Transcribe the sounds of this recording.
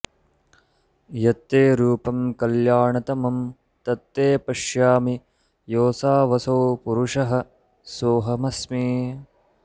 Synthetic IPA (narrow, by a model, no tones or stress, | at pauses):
jɐt̪ːeːɾuːpɐmkɐljaːɳɐt̪ɐmɐm | t̪ɐt̪ːeːpɐʂjaːmi | joːsaːʋɐsoːpuɾuʂɐɦɐ | soːɦɐmɐsmiː